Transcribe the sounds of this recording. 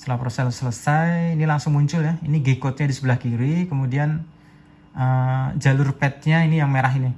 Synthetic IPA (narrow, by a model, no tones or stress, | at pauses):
st̪əlapɾosɛlsələsajːnilaŋsʊŋmuɲt͡ʃʊljainiɡekɔt̪̚ɲadisəbəlahkiɾikəmudian | əd͡ʒalʊrpɛt̪̚ɲainijaŋmeɾaɦini